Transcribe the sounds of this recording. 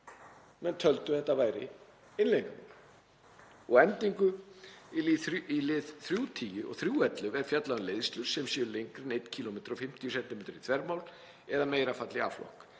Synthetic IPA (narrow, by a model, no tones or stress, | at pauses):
mɛnt̪ʰœlt̪ʏ̥θɛht̪ːavaːjɾɪ̰ | ɪnlejŋkan̰ | ɔɣɛnt̪iŋkʏiilɪðθɾjuːt̪ʰiːjʏɾɔ̰ɣθɾjuːɛt̪lʏvɛɾ̥fjat̪laʏnleːðst̪lʏɾ̥sɛmsjɛɾlejŋkɾɪnejt̪cʰiːlomeːjt̪ɾɔfɪm̥t̪ʰjʏsɛnt̪ɪmeːt̪ʏɾit̪ʰvɛɾpmaːwl | ɛðameːjɾafat̪lɪa̰ːflɔ̰hk